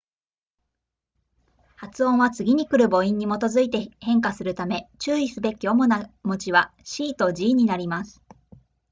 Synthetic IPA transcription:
hat͡sɨõ̞βat͡sɨɡʲiɲ̟ikɯ̟ɾɯ̟bo̞ĩɲ̟ːimo̞t̪o̞zɨit̪e̞hẽ̞ŋkasɨɾɯ̟t̪ame̞t͡ɕɨːisɨbe̞kʲio̞mo̞namo̞t͡ɕiβaɕiːt̪o̞d͡ʑiːɲ̟inaɾʲimasɨ̥

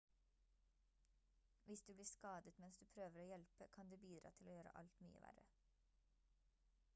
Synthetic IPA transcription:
ʋɪsd̪ʉːbliːskɑːd̪ət̪mɛnsd̪ʉːpʰɾøːʋəɾoːjɛlpəkʰɑnd̪ʉːbiːd̪ɾɑ̰ːt̪ʰɪloːjøːɾə̰ʔɑ̰lt̪my̰ːə̰ʋæ̰ɾə̰

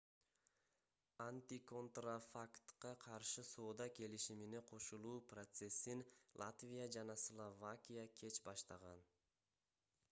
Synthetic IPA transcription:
anʲt̪ʲiko̞nt̪rafakt̪qɑqʰɑɾʃɯso̞ːd̪ɑke̞liʃimine̞qʰo̞ʃulˠuːprot̪se̞sːinlˠat̪vʲijad͡ʒɑnɑslˠovakʲijakʲʰe̞t͡ʃbɑʃt̪ɑʁɑn

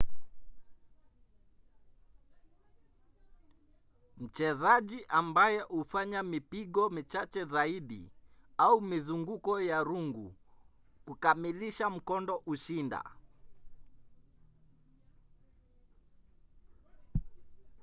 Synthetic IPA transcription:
m̩t͡ʃɛzaʄiʔambajɛʔufaɲamipiɡɔmit͡ʃat͡ʃɛzaiɗḭaumizuŋɡukɔjaɾuŋɡu | kukamiliʃam̩kɔndɔʔuʃinda̰

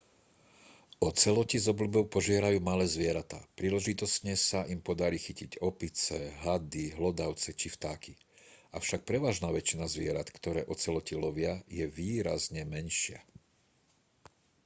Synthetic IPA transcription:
ɔt͡sɛlɔcizɔblubɔʊpɔʒɪɛɾajuːmalɛːzʋɪɛɾat̪a̰ːpɾiːlɛʒit̪ɔsɲɛsaʔimpɔd̪aɾiːxiciɟɔpit͡sɛɦad̪iɦlɔd̪aʊt͡sɛt͡ʃift̪aːkʰi | afʃak̚pɾɛʋaːʒnaːʋɛt͡ʃinazʋɪɛɾat̪kt̪ɔɾɛːʔɔt͡sɛlɔcilɔʋɪajɛʋiːɾazɲɛmɛnʃɪa

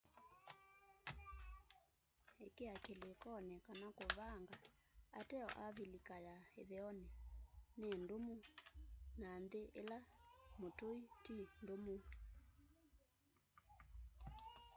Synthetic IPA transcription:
ekeakelekɔnɛkanakoβaŋɡa | atɛɔ̰ʔaβilikajaeðɛɔneanendomu | nanðeʔelamotoitindomu

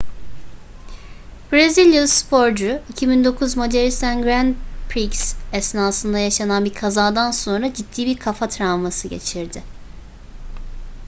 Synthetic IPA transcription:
b̥ɾezilʲjuspʰo̞ɾd͡ʒuicʰibind̪o̞kʰuzmod͡ʒ̪eɾist̪ænɡɾænd̪pʰɾiksɛsnaːsɯnd̪ajaʃananbiɾkʰazaːd̪anso̞nɾad͡ʒit̪ʰːiːbiɾkʰafat̪ʰɾavmasɯɟe̞̰t͡ʃʰiɾd̪ɪ

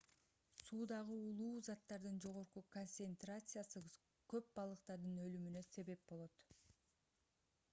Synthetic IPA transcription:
suːd̪ɑʁɯulˠuːzɑt̪ːɑɾd̪ɯnd͡ʒo̞ʁo̞ɾqukonsent̪rat̪sɨjasɯ | kø̞p̚bɑlˠɯqt̪ɑɾd̪ɯnø̞lymynø̞se̞βe̞p̚bo̞lˠo̞t̪

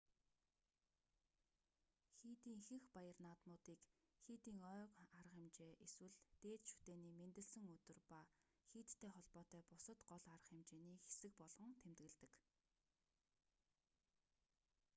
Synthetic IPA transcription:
xiːt̪iːŋxɘ̆xpajə̆rnaːt̪mʊːt̪iːk | xiːt̪iːŋœːkaɾə̆χɪmt͡ɕeːʔeswɘ̆ɮt̪eːt̪ʃu̥t̪eːniːment̪ɘ̆ɮsɘ̆ŋɵt̪ɵ̆rpa | xiːt̪ʰːeːχɔɮpɔːt̪œːpʊsə̆t̪ɢɔɮaɾə̆χɪmt͡ɕeːniːxe̥sɘ̆k̚pɔɮʁɞ̆ŋt̪ʰemt̪ɣɘ̆ɮt̪ɘ̆k

